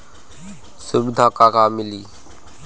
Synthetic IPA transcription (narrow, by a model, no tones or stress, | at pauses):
sʊbɪd̪ʱãːkaːkaːmɪliː